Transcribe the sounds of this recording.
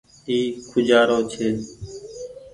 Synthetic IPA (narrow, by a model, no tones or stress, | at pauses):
t̪iːkʰʊd͡ʒaːɾoːt͡ʃʰeː